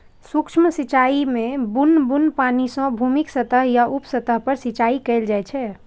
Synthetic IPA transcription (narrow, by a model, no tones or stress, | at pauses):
sukʃmsit͡ʃaimẽbunːbunpanisə̃bʱumiksət̪əɦjaʔupsət̪əɦpəɾsit͡ʃaikɛɪld͡ʒajt͡ʃʰɛ